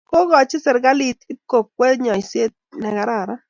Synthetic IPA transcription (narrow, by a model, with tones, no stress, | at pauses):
ko˦ɣɔ˨t͡ʃɪ˦sɛ˨ɾɡa˦li˨t̪ɪ˦p̚ko˨k̚ːwɛ˦ɲɔ˨jsje˦t̪̚nɛ˨ɡa˦ɾa˨ɾa˦